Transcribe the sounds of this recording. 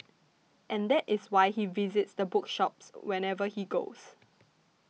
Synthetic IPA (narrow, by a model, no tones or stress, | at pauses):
ʔɛ̃nd̪ɛtɪswaɪhivizɪtsd̪əbʊkʃɔp̚swɛ̃nɛvəhiɡo̰ʊs